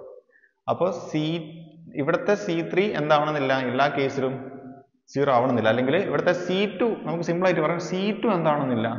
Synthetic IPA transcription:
ɐpːo̞ːsi | iʋiɽɐt̪ːe̞siːt̪rie̞̰nd̪aːʋɐɳɐnːilːɐelːaːke̞ːsilum | siːraːʋɐɳɐnːilːɐːlːe̞ŋɡilḭʋiɽɐt̪ːe̞siːtːunɐmukːɨsimbɐɭaːjitːipɐrɐjumsiːtːue̞nd̪aːʋɐɳonːilːɐ

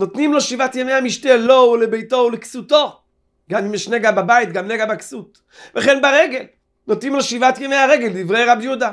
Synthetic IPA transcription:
not̪nimloʃivatjemejhamiʃtelo̞ulebejto̞wleksut̪o̞ | ɡamimeʃneɡababajit̚ɡamneɡabaksut̪ | veχenbaʁeɡel | not̪nimloʃivat̪jemejhaʁeɡeld̪ivʁejʁabjuda

